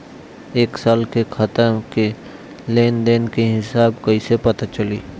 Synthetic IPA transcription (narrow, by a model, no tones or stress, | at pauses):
eːksaːlkekʰɐt̪əke | leːnd̪eːnkeɦɪsaːbkɐisepɐt̪at͡ʃɐliː